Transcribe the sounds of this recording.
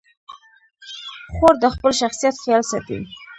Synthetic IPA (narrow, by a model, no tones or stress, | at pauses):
xoɾd̪əxpəlʃaxsijat̪xjɑlsat̪ḭ